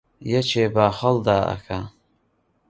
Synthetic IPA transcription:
jɛt͡ʃʰeːbaːχɐld̪aːʔa̰kʰa

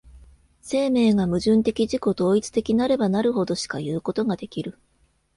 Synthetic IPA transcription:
se̞ːme̞ːɡamɯ̟ʑɨ̃nt̪e̞kʲiʑiko̞d̪o̞ːit͡sɨ̥t̪e̞kʲinaɾe̞banaɾɯ̟ɦo̞d̪o̞ɕi̥kajɯ̟ːko̞t̪o̞ɡad̪e̞kʲiɾɯ̟

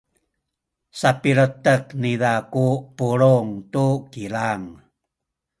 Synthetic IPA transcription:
sapiɾətəknidakupuɭuŋtukilaŋ

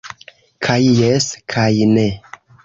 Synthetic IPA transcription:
kʰajːeskʰajne

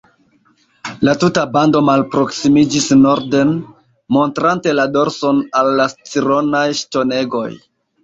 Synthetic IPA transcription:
latutabando̞malpɾo̞ksimid͡ʒisno̞ɾden | mo̞ntɾante̞lado̞ɾso̞nalːast͡siɾo̞najʃto̞ne̞ɡo̞̰j

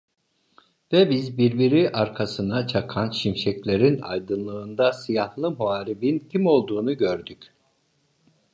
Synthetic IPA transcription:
vɛbizbiɾbiɾiʔaɾkʰasɯnat͡ʃʰakʰanʃimʃɛclʲeɾina̰jd̪ɯnlˠɯːnd̪asijahlˠɯmuaːɾibincʰimo̞lˠd̪uːnuɟøɾd̪yc

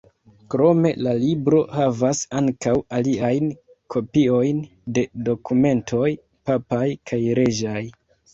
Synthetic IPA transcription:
kɾo̞me̞lalibɾo̞havasaŋkawaliajn | kʰo̞pio̞jn | de̞do̞kʰume̞ntʰo̞j | papajkʰajɾe̞d͡ʒaj

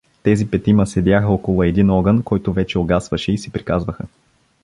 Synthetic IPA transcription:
t̪ɛzipɛt̪imɐsɛd̪ʲjaxəɔkolˠʊɛd̪inɔɡənkɔjt̪ʊvɛt͡ʃɛoɡasvɐʃɛisɛpɾikazvəxə

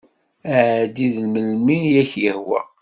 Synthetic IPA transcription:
d̪iðlməlminjæçjəhwæ̰

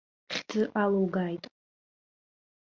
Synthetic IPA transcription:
χʲd͡zɨʔalowɡajtʼ

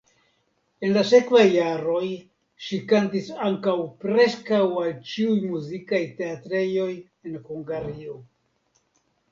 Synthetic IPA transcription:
e̞nlase̞kvajːaɾo̞j | ʃikantisaŋkawpɾe̞skawalt͡ʃiujmuzikajte̞atɾe̞jo̞j | e̞nhuŋɡaɾio̞

